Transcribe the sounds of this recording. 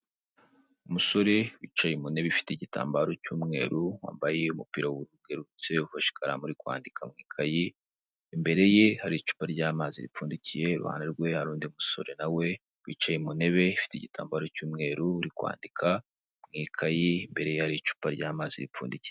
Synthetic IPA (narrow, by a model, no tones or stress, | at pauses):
umuso̞ɾe̞wiːt͡ʃajemune̞βeifi̥teɟita̰ːmbaɾo̞cuːmŋe̞̰ːɾuwa̰ːmbajeumupiːɾauɾuɡ̥e̞ɾut͡se̞ufaʃi̥kaɾa̰muɾikwa̰ːndikʰamŋiːkʰajiː | mbe̞ɾe̞je̞haɾit͡ʃu̥ːpaɾɟaːmaːziɾḭp͡fuːndicije̞ɾṵha̰ːneɾɡwe̞haɾuːndiumuso̞̰ɾe̞nawe̞ | wḭt͡ʃajemune̞βe̞ifi̥teiɟita̰ːmbaɾo̞cuːmŋe̞ːɾuuɾikwa̰ːndikʰa | mŋiːkʰajimbe̞ɾe̞jehaɾit͡ʃu̥ːpaɾɟaːmaːz̥iɾip͡fṵːndici̥je